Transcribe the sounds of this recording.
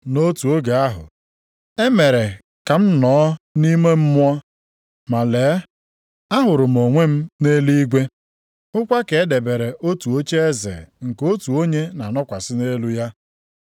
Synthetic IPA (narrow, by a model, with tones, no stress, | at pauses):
no˦tu˨o˦ɡe˨a˦ɦʊ̰˨ | e˦me˨ɾe˨ | ka˨m̩˦nɔː˨˦ni˦me˦m̩˦mʊ˦ɔ˦ | ma˨leː˨˦ | a˦ɦʊ˨ɾʊ˨m̩˨o˨ŋʷe˦m̩˦ne˦li˦ɡʷe˦ | ʊ˦kʷa˦ke˨e˦de˨be˨ɾe˨ʔo˦tu˨o˦t͡ʃe˦e˦zḛ˨ŋ̩˨ko˦tu˨o˦ɲe˦na˨nɔ˦kʷa˨sɪ˦ne˦lu˦ja˦